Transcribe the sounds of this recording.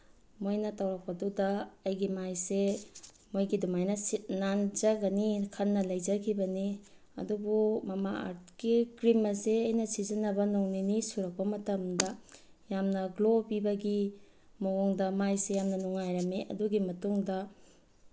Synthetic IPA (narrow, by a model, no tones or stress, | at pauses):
mojnɐtawɾɐk̚pɐdudɐːjɡimajse | mojɡidumajnɐsit̚nand͡ʒɐɡɐnikʰɐnːɐlɐjd͡ʒɐkʰibɐni | ɐ̰dubumɐmaa̰ɾt̚kikɾimɐseɐjnɐsizɐnɐbɐnoŋninisuɾɐk̚pɐmɐtɐmdɐ | jamnɐɡlobibɐɡi | moɔŋdɐmajsejamnɐnuŋajɾɐmeʔɐ̰duɡimɐtuŋdɐ